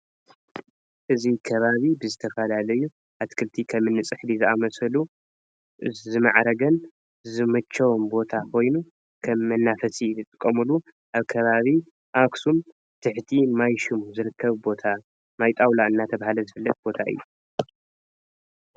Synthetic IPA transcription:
ʔɨzikʰɐβaβibɨzɨt̪ʰɐfɐlalɐju | ʔat̪kʰɨlt̪ʰikʰɐmɨnːɨt͡sʼɨħd̪izɨamɐsɐlu | zɨmaʕɾɐɡɐn | zɨmɐt͡ʃʰːɐwombo̞t̪ʰakʰo̞jnu | kʰɐmːɐnːafɐsilɨt̪ʼɨkʼːɐmulu | ʔaβkʰɐβaβi | ʔaksum | t̪ʰɨħt̪ʰimajʃumuzɨɾɨkʰːɐβbo̞t̪ʰa | majt̪ʼawlaɨnːat̪ʰɐβahalɐzɨfɨlːɐt̪̚bo̞t̪ʰaʔɨ̰jːu

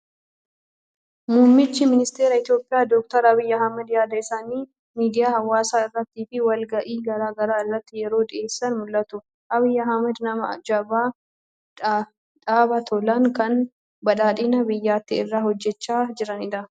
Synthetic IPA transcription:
muːmːɪt͡ʃːɪmɪnɪst̪e̞ːɾɐɪt̪jo̞ːpʼɪjaːd̪ɔːk̚t̪ɐɾɐbɪjːɐɦɐmɛd̪jaːd̪ɐɪsaːniː | miːd̪ɪjaːhɐwːaːsaːɪrːɐt̪ːiːfɪwɐlɡɐʔiːɡɐɾaːɡɐɾaːɪrːɐt̪ːɪjɛɾo̞ːd̪ɪe̞ːsːɐnmʊlʔɐt̪ʊ | ʔɐβɪjːɐɦɐmɛd̪nɐmɐɐ̰d͡ʒɐbaː | ᶑaːbɐt̪ʰɔlɐŋkɐn | bɐᶑaːᶑɪːnɐbɪjːaːt̪ːɪɪrːaːhɔd͡ʒːɛt͡ʃːaːd͡ʒɪɾɐnɪd̪ɐ

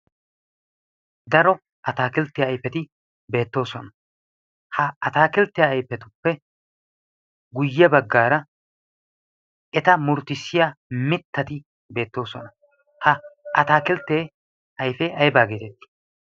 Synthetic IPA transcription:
d̪ɐɾɔ | ʔɐt̪aːkɪlt̪ːɪjaːjpːɛt̪ɪ | be̞ːt̪ːo̞ːsɔnɐ | hɐɐt̪aːkɪlt̪ːɪjaːjpːɛt̪ʊpːɛ | ɡʊjːɛbɐɡːaːɾɐ | ɛt̪ɐmʊɾt̪ɪsːɪjaːmɪt̪ːɐt̪ɪ | be̞ːt̪ːo̞ːsɔnɐ | hɐɐt̪aːkɪlt̪ːeː | ɐjfeːʔɐjbaːɡet̪ɛt̪ːɪ̥

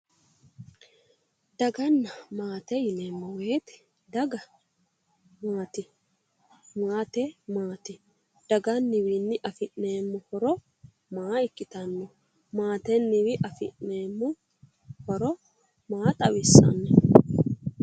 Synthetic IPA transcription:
d̪ɐɡɐnːɐmaːt̪ɛjɪneːmːɔweːt̪ | d̪ɐɡɐ | maːt̪ɪ | maːt̪ɛmaːt̪ɪ | d̪̥ɐɡɐnːɪwinːɪʔɐfɪʔneːmːʊhɔɾɔ | maːɪkːɪt̪ɐnːɔ | maːt̪ɛnːɪwɪʔɐfɪ̰ʔneːmːʊ | hɔɾɔ | maːt̪ʼɐwɪsɐ̰nːɛ

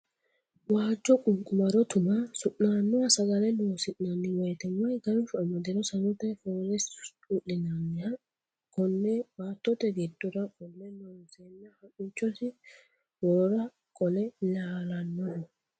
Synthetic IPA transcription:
waːd͡ʒːɔkʼʊŋkʼʊmɐɾɔt̪ʊmɐsʊʔaːnːɔɐsɐɡɐlɛnoːsɪnnɐnːɪwɔjt̪ɛmːɐjɡɐɾfʊɐmɐd̪ɛɾɔsɐnʊt̪ɐjfoːɾɛs | ʊʔːɪnanːɪɐ | kɔnːɛbaːt̪ːɔt̪ːɛɡɛd̪ɔɾɐkʼɔlːɛnɔnsɛnːɐhɐʔʊt͡ʃːɔsɪ | wɔːɾɐ | kʼɔlɛlaːlɐnːɔnɔ

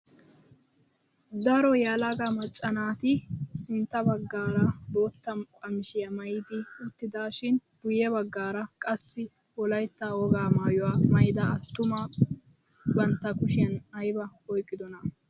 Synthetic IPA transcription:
d̪ɐɾɔjalɐɡamɔt͡ʃʼːɐnaːt̪ɪsɪnt̪ːɐbɐɡːaːɾɐbo̞ːt̪ːɐmkʼɐmɪʃɪjɐmɐjɪd̪ɪʊt̪ːɪd̪aːʃɪnɡ̥ʊjɛbɐɡːaːɾɐkʼɐsːɪ | ɔlɐjt̪ːaːwɔɡaːmaːjɔwaːmɐjɪd̪ɐɐt̪ːʊma | bɐnt̪ːɐkʊʃɪjɐnɐjbɐɔjkʼːɪd̪ɔnɐ

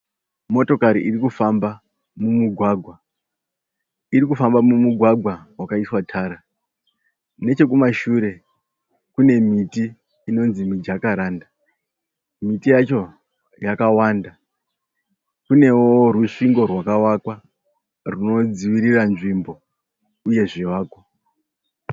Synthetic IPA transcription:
mo̞to̞kaɾiʔirikufamba | mumuɡʱwaɡʱwa | iɾikufambamumuɡʱwaɡʱwawakaiswatʰaːɾa | ne̞t͡ʃe̞kumaʃuːɾe̞ | kune̞mitiː | no̞nzimid͡ʒakaɾaːnda | mitijat͡ʃo̞ | jakawaːnda | kune̞woruʂiŋɡo̞rwakawakwa | runo̞d͡ziʋiɾiranʐimbo̞ | uje̞ʐiwaːkwa

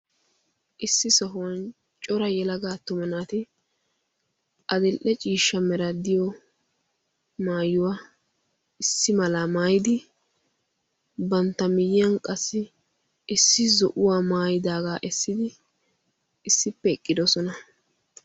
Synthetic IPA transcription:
ʔɪsːɪsɔɦʊwɐn | t͡ʃʼɔɾɐjɛlɐɡaːt̪ːʊmɐnaːt̪ɪ | ʔɐd̪ɛlʔɛt͡ʃʼiːʃːɐmɛɾɐd̪ɪjɔ | maːjʊwaː | ʔɪsːɪmɐlaːmaːjɪd̪ɪ | bɐnt̪ːɐmɪjɪjɐnkʼɐsːɪ | ɪsːɪzɔ̰ʔʊwaːmaːjɪd̪aːɡaːʔɛsːɪd̪ɪ | ɪsːɪpːɛɛkʼːɪd̪ɔsɔnɐ

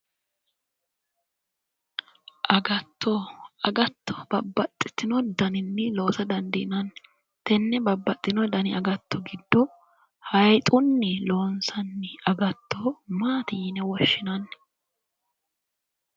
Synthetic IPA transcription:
ʔɐɡɐt̪ːoɐɡɐt̪ːɔ̥bɐbːɐt̪ʼːɪ̥t̪ːɪnɔd̪ɐnɪnːɪlo̞ːsɐd̪ɐnd̪ɪʔɪnɐnː | t̪ɛnːɛbɐbːɐt̪ʼːɪnɔd̪ɐnɪɐɡɐt̪ːɔɡɪd̪ːɔ | hɐjt̪ʼʊnːɪlo̞ːnsɐnːɪɐɡɐt̪ːoːmaːt̪ɪjnɛwɔʃːɪnɐnː

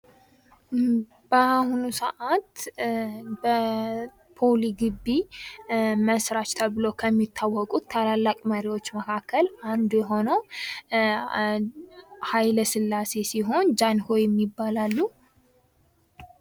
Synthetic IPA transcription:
b̥əahunusəʔat̪ | bə | pʰoliɡɨbːi | məsɾat͡ʃt̪ʰəβɨlokʰəmːit̪ʰːawːɔkʼut̪ʰːalalːakʼməɾiwo̞t͡ʃːməkʰakʰːəlʔand̪jɛɦo̞nəw | hajləsɨlːase̞siɦo̞nd͡ʒanhojɛmːibːalalːu

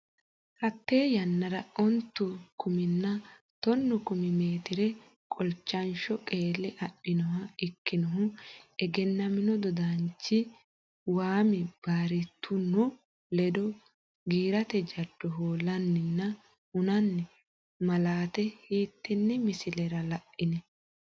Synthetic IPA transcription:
hɐt̪ːeːjɐnːɐɾɐɔnt̪ːʊkʊmɪnːɐ | t̪ɔnːʊkʊmɪmeːt̪ɪɾɛ | kʼɔlt͡ʃːɐnʃɔkʼeːlːɪʔɐpːɪnɔhɐɪkːɪnɔɦʊɛɡɛnːɐmɪnɔd̪ɔd̪ant͡ʃːɪ | waːmɪb̥aːɾɪt̪ʰːʊnʊ | lɛd̪ɔ | ɡiːɾɐt̪ɛd͡ʒɐd̪̥ːɔɦoːlːɐnːɪnːɐ | hʊnɐnːɛ | mɐlaːt̪ɛhiːt̪ːɛnːɛmɪsɪlɛɾɐlɐʔːɪnɛ

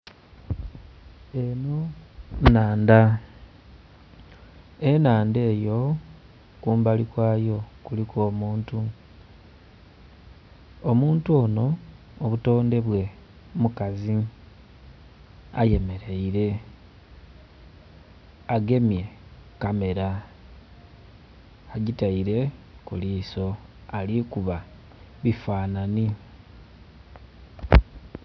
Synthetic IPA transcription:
e̞no̞naːnda | enaːnde̞ːjo̞ | kuːmbalikwaːjo̞kuliko̞ːmuːntu | omuːntuo̞no̞ː | βuto̞ːnde̞βwe̞ | mukazi | a̰je̞me̞ɾeiɾe̞ | aɡe̞mje̞kame̞ɾa | ɟitaiɾe̞kuliːso̞alikuβa | βifaːnani

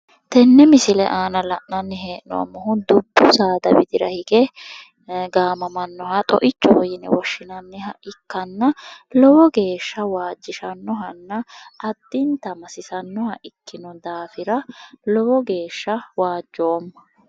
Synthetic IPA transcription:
t̪ɛnːɛmɪsɪlɛ̰ʔaːnɐlɐʔnɐnːɪɦeːʔnɔ̰ɐ̰mːɔhʊnd̪ʊbːʊsaːd̪ɐbɪd̪ɪɾɐhɪɡɛ | ɡaːmɐmɐnːɔhɐt̪ʼɔ̰ʔɪt͡ʃːɔhɔjɪnɛ̰wɔʃːɪnɐnːɪhɐʔɪkːɐnːɐlɔwɔɡe̞ːʃːɐwaːd͡ʒːɪʃɐnːɔɦɐnːɐʔɐd̪̥ːɪnt̪ɐmɐsɪsɐnːɔhɐʔɪkːɪnɔd̪aːfɪɾɐlɔwɔɡe̞ːʃːɐwaːd͡ʒːo̞ːmːɐ̥

